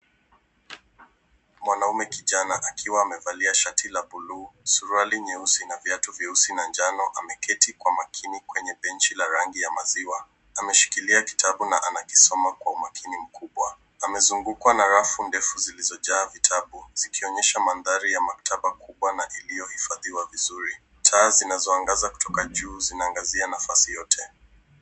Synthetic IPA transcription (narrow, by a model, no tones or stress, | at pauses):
mwanaumɛkiʄanaʔakʰiwaːmɛvaliaʃatʰilaɓuluːsuɾualiɲɛusinavjatuviusinand͡ʒanɔʔamɛkʰɛtikwamakʰinikwɛɲɛɓɛnt͡ʃilaɾaŋɡijamaziwa | amɛʃi̥kiliaki̥tʰaɓunaʔanaki̥sɔmakwaumakʰinim̩kʰuɓwa | amɛzuŋɡukwanaɾafundɛfuzilizɔʄaːvitʰaɓuz̥ikiɔɲɛʃamanðaɾijamaktʰaɓakuɓwanaʔilijɔhifaðiwavizuɾi | tʰaːzinazɔaŋɡazaku̥tʰɔkaʄuːzinaːŋɡazianafasijɔtʰɛ